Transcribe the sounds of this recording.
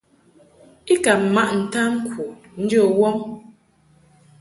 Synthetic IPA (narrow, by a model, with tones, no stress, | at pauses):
i˦ka˨ma˦ʔn̩˨ta˦ŋ̩˦kʰu˨ | n̩˦d͡ʒə˦˨wɔ˦ŋ